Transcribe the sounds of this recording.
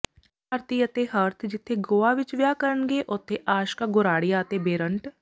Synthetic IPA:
əːɾt̪iət̪eɦəɾt̪ʰd͡ʒɪt̪ʰːeɡoːaːʋɪt͡ʃʋjaːkəɾənɡeːʔʊt̪ʰːeʔaːʃkaɡʊɾaːɽɪjaət̪ebeːɾəɳʈ

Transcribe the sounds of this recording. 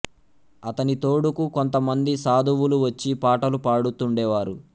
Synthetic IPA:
ɐt̪ɐnit̪o̞ːɽukukont̪ɐmɐnd̪isaːd̪ʱuʋuluʋɐt͡ʃːipaːʈɐlupaːɽut̪uɳɖɛːʋaːɾu

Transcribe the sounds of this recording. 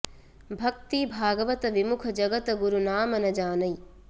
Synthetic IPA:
bʱɐk̚t̪ibʱaːɡɐʋɐt̪ɐʋimukʰɐd͡ʒɐɡɐt̪ɐɡuɾunaːmɐnɐd͡ʒaːnɐj

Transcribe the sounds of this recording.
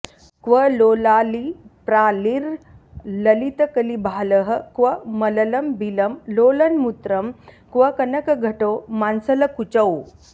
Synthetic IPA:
kʋəlolalipɾaliɾ | ləlit̪əkəlibʱaləɦə̆kʋəmɐlɐlɐmbiləmlolənmut̪ɾəm | kʋəkɐnəkɐɡʱɐʈomansələkut͡ɕəw

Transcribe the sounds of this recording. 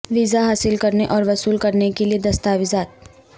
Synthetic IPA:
ʋizaɦaːsɪlkɐɾneʔɔːɾʋɐsuːlkɐɾnekelied̪ɐst̪aːʋɪzaːt̪̚

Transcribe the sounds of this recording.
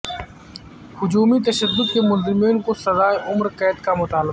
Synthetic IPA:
hʊd͡ʒuːmit̪ɐʃəd̪ːʊd̪kemʊlzɪmiːnkosɐzaːeʔʊmɾkɛːt̪kamʊt̪aːl

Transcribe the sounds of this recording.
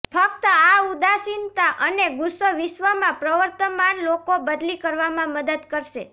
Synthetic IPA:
fək̚t̪əaud̪asint̪aʔəneɡʊsːəʋɪʃʋəmãpɾəʋəɾt̪əmanlokobəd̪likəɾʋamãməd̪əd̪kəɾʃe

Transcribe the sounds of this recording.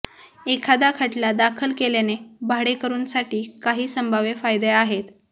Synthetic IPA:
ekʰad̪akʰəʈlad̪akʰəlkelenebʱaɽekəɾuːnsaʈiːkaɦiːsəmbʱaʋefajd̪eaɦet̪

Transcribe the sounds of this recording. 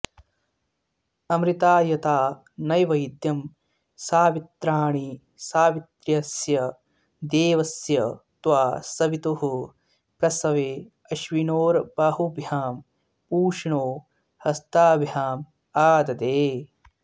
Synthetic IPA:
ɐmɾit̪aːjɐt̪aː | nɐjʋɐjd̪jɐm | saːʋit̪ɾaːɳi | saːʋit̪ɾjɐsjɐ | d̪eːʋɐsjɐt̪ʋaːsɐʋit̪oɦu | pɾɐsɐʋeː | ɐʃʋinoːɾbaːɦubʱjaːm | puːʂɳoː | hɐst̪aːbʱjaːm | aːd̪ɐd̪eː

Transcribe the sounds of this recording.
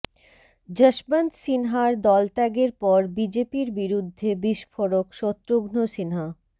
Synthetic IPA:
d͡ʑəʃbant̪sinɦaɾd̪ɔlt̪ɛɡeɾpɔɾbid͡ʑepiɾbiɾud̪ʱːebiʃfoɾokʃot̪ːɾoɡnosinɦa

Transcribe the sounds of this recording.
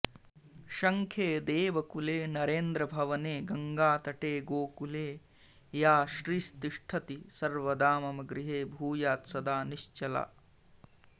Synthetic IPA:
ʃɐŋkʰeːd̪eːʋɐkuleːnɐɾeːnd̪ɾɐbʱɐʋɐneːɡɐŋɡaːt̪ɐʈeːɡoːkuleː | jaːʃɾiːst̪iʂʈʰɐt̪isɐɾʋɐd̪aːmɐmɐɡɾiɦeːbʱuːjaːt̪sɐd̪aːniʃt͡ʃɐla̰ː

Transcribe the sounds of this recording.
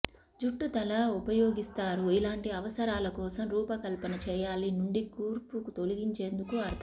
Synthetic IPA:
d͡ʒuʈːut̪ɐlɐupɐjoːɡist̪aːɾuilaːɳʈiɐʋɐsɐɾaːlɐkɔːsɐmɾuːpɐkɐlpɐnɐt͡ʃɛːjaːlinuɳɖiɡuːɾpukut̪oliɡiɲt͡ʃe̞ːnd̪ukuɐɾd̪ʱɐ

